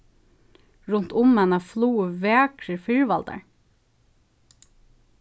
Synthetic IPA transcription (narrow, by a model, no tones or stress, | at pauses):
ɹʊnt̪ʰʊmɛnəfluːʋeːkʰɾəfʏɹʋɑld̪ə̰ɹ